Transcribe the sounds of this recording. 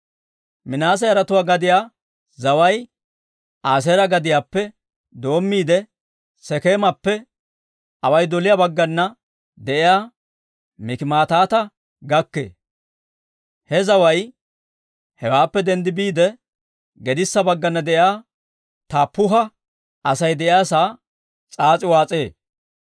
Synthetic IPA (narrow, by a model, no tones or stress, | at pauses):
mɪnaːs̬ɐjɐɾɐt̪ʊwaːɡɐd̪ɪjaː | zɐwɐj | ʔaːs̬ɛɾɐɡɐd̪ɪjaːpːɛ | d̪o̞ːmːiːd̪ɛ | sɛkeːmɐpːɛ | ɐwɐjd̪ɔlɪjabɐɡːɐnːɐ | d̪ɛʔɪjaː | mɪkɪmaːt̪aːt̪ɐ | ɡɐkːḛː | hɛzɐwɐj | hɛwaːpːɛd̪ɛnd̪ɪbiːd̪ɛ | ɡɛd̪ɪsːɐbɐɡːɐnːɐd̪ɛʔɪjaː | t̪aːpːʊɦɐ | ɐsɐjd̪ɛʔɪjaːsaː | t͡sʼaːt͡sʼɪwaːt͡sʼeː